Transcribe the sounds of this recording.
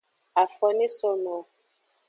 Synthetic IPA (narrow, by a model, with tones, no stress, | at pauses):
a˨fɔ˨ne˦sɔ˦nɔ˨